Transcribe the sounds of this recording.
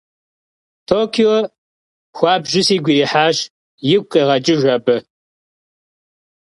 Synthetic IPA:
tʰoːkʰio | xʷɑːbʒɪsiːɡʷiɾiːħaːɕ | jɪk̚ʷʼqʼeʁɐt͡ʃʼɪʒʷɐbɨ

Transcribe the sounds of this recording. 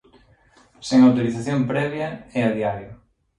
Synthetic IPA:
seŋawt̪oɾiθaθjompɾɛβ̞jɐɛaðiaɾjʊ

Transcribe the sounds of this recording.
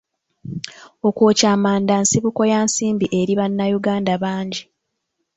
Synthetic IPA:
o̞koːcaːmaːndansiβuko̞jaːnsiːmbiʔe̞ɾiβanːajuɡaːndaβaːɲɟi

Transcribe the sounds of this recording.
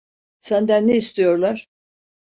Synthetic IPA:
sænd̪ænːeist̪ʰijo̞ɾlˠaɾ̥

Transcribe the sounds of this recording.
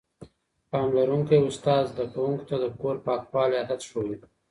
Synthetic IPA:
pɑmlaɾuŋkeʊst̪ɑzd̪akawuŋku̥t̪ad̪əkoɾpɑkpɑlead̪at̪ʃow

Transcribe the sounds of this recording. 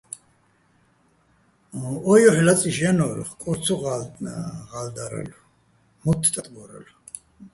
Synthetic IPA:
ɔjɔħlat͡sʼiʒɛnɔɾ̰χkʼɔɾt͡sʰuʁa | ʁald̪aɾɛ̰lu | mɔt̪ʰt̪ʼat̪ʼbɔɾɛ̰lu

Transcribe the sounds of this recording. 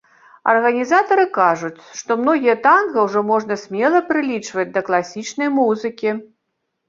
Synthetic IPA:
ɐ̰rɣɐnʲizat̪ɐɾɨkaʐut͡sʲʂt̪ɔmnɔɣʲijɐt̪anɣɐwʐɔmɔʐn̪ɐsʲmʲɛlˠɐpɾɨlʲit͡ʂvɐd͡zʲd̪ɐklˠasʲit͡ʂnɐjmuzɨkʲi

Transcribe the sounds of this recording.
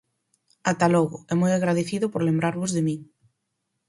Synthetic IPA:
at̪alɔɣʊɛmɔjaɣɾaðeθiðʊpoɾlembɾaɾβʊzðemĩŋ

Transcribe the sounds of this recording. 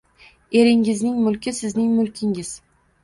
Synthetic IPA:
e̞ɾɪŋɪznɪŋmʊlkʲɪsɪznɪŋmʊlkʲʰɪŋɪz̥

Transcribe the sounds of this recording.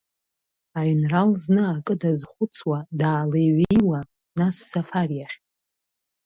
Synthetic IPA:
aɥnralznɨakʼɨdazχʷʊt͡sʰwadaːlejɥejwa | nasːafarjaχʲtʼ

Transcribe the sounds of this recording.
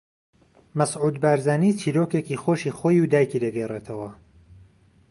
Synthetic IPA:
mɐsʕuːd̪baːɾzaːniːt͡ʃʰiːɾoːkecixoːʃiːxoːjuwd̪aːjkid̪ɐɡɛret̪ʰɐwɐ

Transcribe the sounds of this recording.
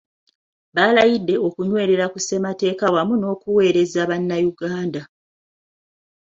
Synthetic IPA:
βalajidːe̞o̞kuɲwe̞ːɾe̞ɾakuse̞mate̞ːkawamuno̞ːkuwe̞ːɾe̞zaβanːajuɡaːnda

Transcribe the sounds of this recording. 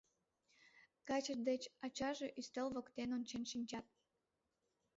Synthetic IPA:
kɑt͡ɕəd̪et͡ɕɑt͡ɕɑʒeʔyst̪əlβokt̪enont͡ɕenʃinʲt͡ɕɑt̪̚

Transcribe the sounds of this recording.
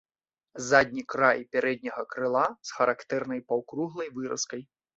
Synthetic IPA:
zad̪ʲnʲikɾajpʲaɾɛd̪ʲnʲɐɣɐkɾɨlˠasxɐɾakt̪ɛrnɐjpawkɾuɣlˠɐjvɨɾɐ̰skɐj

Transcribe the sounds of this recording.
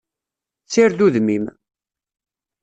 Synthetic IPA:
t͡sːiɾðuðmim

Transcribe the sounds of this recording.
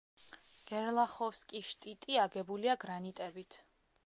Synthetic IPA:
ɡ̥ɛɾlˠaχɔfskʼiʃt̪ʼit̪ʼiaɡɛbuliaɡɾanit̪ʼɛbit̪ʰ

